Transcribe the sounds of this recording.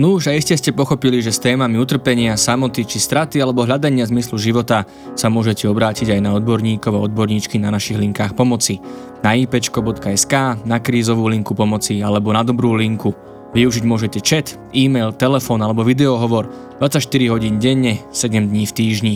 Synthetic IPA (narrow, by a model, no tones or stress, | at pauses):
nuʒaiscɛscɛpɔxɔpiliʒɛst̪ɛːmamiut̪r̩pɛɲɪasamɔt̪it͡ʃist̪ɾat̪ialɛbɔɦlʎad̪aɲɪazmisluʒiʋɔt̪a | samʊɔʒɛcɛɔbɾaːciɟajnaɔd̪̚bɔɾɲiːkɔʊaɔd̪̚bɔɾɲit͡ʃkinanaʃiɣliŋkaːxpɔmɔt͡si | naiːpɛt͡ʃkɔbɔt̪kaɛskaːnakɾiːzɔʋuːliŋkupɔmɔt͡sialɛbɔnad̪ɔbɾuːliŋku | ʋiuʒiɟmʊɔʒɛcɛt͡ʃɛt̪ | iːmɛjlt̪ɛlɛfɔːnalɛbɔʋid̪ɛɔɦɔʋɔɾ | d̪ʋat͡sacʃt̪iɾiɦɔɟiːnɟɛɲːɛsɛɟɛmd̪ɲiːft̪iːʒɲi